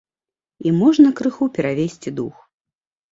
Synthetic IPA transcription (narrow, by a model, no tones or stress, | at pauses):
imɔʐnɐkɾɨxupʲɛɾavʲesʲt͡sʲid̪ux